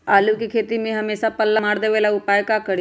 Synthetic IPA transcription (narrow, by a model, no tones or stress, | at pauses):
alukikʰet̪imiːɦəmesapəlːamaɽd̪eʋelaupajkakəɽi